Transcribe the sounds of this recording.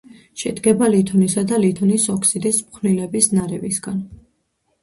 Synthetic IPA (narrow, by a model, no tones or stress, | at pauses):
ʃɛd̪ɡɛbalit̪ʰɔnisad̪alit̪ʰɔnisɔkʰsid̪ismχʰnilɛbisnaɾɛvisɡan